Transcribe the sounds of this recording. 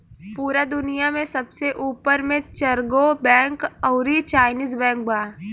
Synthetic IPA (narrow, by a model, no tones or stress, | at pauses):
puːɾad̪ʊnijamẽsɐbseʔuːpəɾmẽt͡ʃɐɾɡobɛ̃ːŋkɐʊɾit͡ʃaːɪniːzbɛ̃ːŋk̚baa